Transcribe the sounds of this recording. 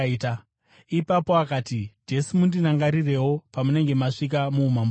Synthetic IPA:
ta | ipapo̞akaːtid͡ʒe̞simundinaŋɡaɾire̞wo̞pamune̞ŋɡe̞maʂik̬amuːmam

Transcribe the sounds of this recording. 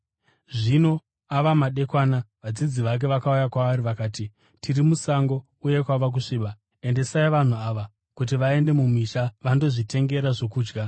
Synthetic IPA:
ʐino̞ | aʋamaɗe̞kwaːnaʋad͡zid͡ziʋak̬e̞ʋakaujakwaʋariʋakaːti | tʰirimusaŋɡo̞ | uje̞kwaʋak̬uʂiːɓa | e̞nde̞saiʋan̤uaʋa | kut̬iʋae̞nde̞mumiʃaʋando̞ʐite̞ŋɡe̞ɾaʐo̞kuːd͡ʒɡa

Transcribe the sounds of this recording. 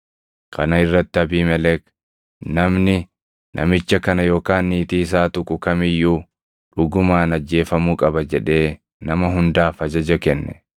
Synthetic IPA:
kʰɐnɐɪrːɐt̪ːɪɐbiːmɛlɛk | nɐmnɪ | nʔɐ̰mɪt͡ʃːɐkɐnɐjo̞ːkaːnːiːt̪iːs̬aːt̪ʊkʼʊkɐmɪjːuː | ᶑʊɡʊmaːnɐd͡ʒːe̞ːfɐmuːkʼɐbɐd͡ʒɛᶑe̞ː | nɐmɐɦʊnd̪aːfɐd͡ʒɐd͡ʒɐkɛnːɛ̰

